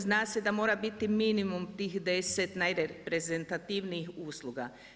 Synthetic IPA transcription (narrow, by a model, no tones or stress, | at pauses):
znaːsed̪amo̞ːɾabit̪iminimumt̪iːxd̪eset̪najɾepɾezent̪at̪iʋniixuːslˠuɡa